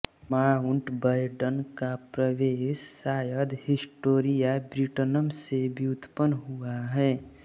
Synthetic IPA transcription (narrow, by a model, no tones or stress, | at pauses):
maːʊɳʈbəjɖənkapɾəweːʃsaːjəd̪hɪsʈoːɾijabɾiʈənəmsebʱiʊt̪pənɦuaɦɛː